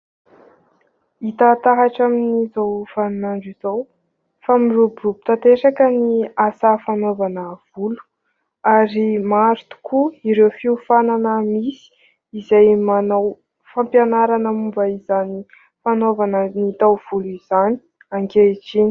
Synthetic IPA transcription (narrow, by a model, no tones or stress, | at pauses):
it̪at̪aɦaʈ͡ʂaminizawfanunaɳɖ͡ʐiz̥ow | famirubirubi̥t̪at̪eʂakəniasafanovanəv̥ulu̥ | aɾimaɾt̪u̥kʰuiɾewfiufananəmisi̥ | izajmanaw | fampjanaɾanəmumbaizani | fanovanənit̪awv̥uluiz̥ani̥ | aŋkeʈ͡ʂini̥